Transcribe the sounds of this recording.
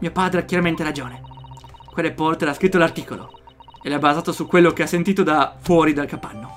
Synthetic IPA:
miːopaːd̪ɾeakjaɾament̪eɾad͡ʒoːnekwelːepɔrt̪eɾaskɾit̪ːolart̪iːkolo̰ | elabazaːt̪osukːwelːokeasːent̪iːt̪od̪afwɔːɾid̪alkapanːo

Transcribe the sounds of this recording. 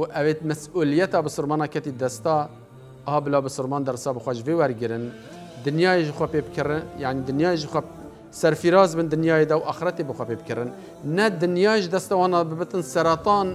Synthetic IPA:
uʔɛveːt̪mɛsuːlɨjɛt̪ɑːbɨsɨɾmɑːnɑːkʰɛt̪iːd̪ɛst̪ɑː | hɑːbɨlɑːbɨsɨɾmɑːnd̪ɛɾsɑːbɨxʷɛʒɨvewɛɾɡɨɾɨn | d̪ɨnjɑːjeʒəxʷɛpeːbkʰɨɾɨjaʕnid̪ɨnjɑːjeʒəxʷɛ | sɛɾfiɾɑːzbɨnd̪ɨnjɑːjed̪ɛwʔɑːxɨɾɛt̪ebɨxʷɛpeːb̚kʰɨɾɨnː | ɛd̪ɨnjɑːʒd̪ɛst̪ɑwɑːnɑːbɨbɨt̪ɨnsɛɾɑt̪ˤɑːn

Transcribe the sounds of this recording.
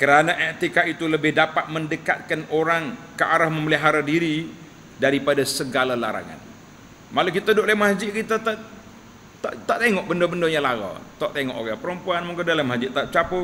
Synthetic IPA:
kəɾanaʔɛt̪ikait̪uləbɪhdapat̪̚məndəka̰t̪̚kanoɾaŋkəʔaɾahməməliɦaɾadiɾi | daɾipadasəɡalala̰ɾa̰ŋa̰n | malukit̪adoʔlamasd͡ʒɪʔkit̪at̪aʔ | t̪aʔt̪aʔt̪eŋɔʔ̚bəndabəndoɲalaɡɔ̰t̪aʔt̪eŋɔ̰ʔokapəɾəmpuanmuŋkadalamad͡ʒɪʔt̪aʔt͡ʃapʊ

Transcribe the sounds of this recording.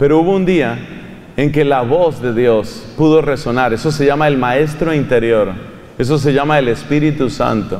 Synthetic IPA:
pe̞ɾo̞uβound̪ia | e̞ŋke̞laβo̞zðe̞ðjo̞spuðo̞re̞so̞naɾe̞so̞s̬e̞ʝamaelmae̞s̬t̪ɾo̞int̪e̞ɾjo̞ɾ | e̞s̬o̞s̬e̞ʝamaele̞spiɾit̪usa̰nt̪o

